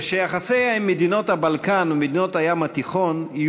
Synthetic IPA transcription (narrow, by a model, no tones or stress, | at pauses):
ʃejaχasejaimːed̪ino̞t̪habalkanumed̪ino̞t̪hajamat̪iχo̞nij